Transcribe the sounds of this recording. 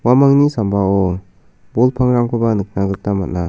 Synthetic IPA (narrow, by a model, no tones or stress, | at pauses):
wamaŋnisambaɔ | bɔlpʰaŋɾaŋkʰɯbanɯk̚naɡɯk̚tamat̚na